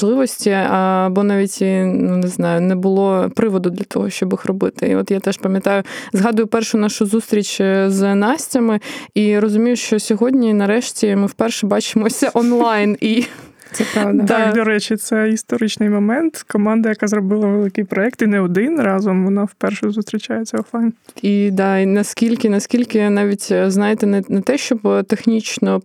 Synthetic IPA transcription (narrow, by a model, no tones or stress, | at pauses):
lˠɪʋɔsʲtʲiɐbɔnɑʋʲitʲinunɪznɑjʊnɛbʊlˠɔpɾɪʋɔd̪ʊd̪lʲɐt̪ɔ̰ɦɔʃt͡ʃɔbixrɔbɪt̪ɪḭɔ̰t̪jat̪ɛʃpɐmʲjɐt̪ɑjʊzɦɑd̪ʊjʊpɛrʃʊnɑʃʊzust̪ɾʲit͡ʃʲznɑsʲtʲɐmɪiɾɔzʊmʲijʊʃt͡ʃɔsʲɔɦɔdʲnʲinɐɾɛʃtʲimɪwpɛrʃɛbɑt͡ʃɪmɔsʲɐʔɔnlˠɑjni | sɛad̪ɑd̪ɔɾɛt͡ʃit̪sɛist̪ɔɾɪt͡ʃnɪjmɔmɛnt̪kɔmɑnd̪ɐjɐkɑzɾɔbɪlˠɐʋelˠɪkɪjpɾɔɛk̚t̪inɛɔd̪ɪnrɑzɔmʋɔnɑwpɛrʃɛzʊst̪ɾʲit͡ʃʲajet͡sʲːɐɔnlˠɑjnid̪ɑinɐskʲilʲkɪnɐskʲilʲkɪnɑʋʲitʲznɑjet̪ɛnɛnɐt̪ɛʃt͡ʃɔbt̪exnʲit͡ʃnɔ